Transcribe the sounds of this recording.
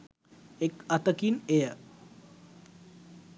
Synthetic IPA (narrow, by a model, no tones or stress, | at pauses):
ekat̪əkinejə